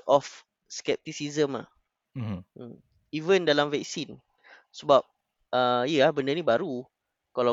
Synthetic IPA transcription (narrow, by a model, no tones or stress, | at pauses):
ʔɔf | skɛp̚t̪isizəma̰h | əm | ivəndalamvɛk̚sin | səbap̚ | əjəlahbəndənĩbaɾu | kala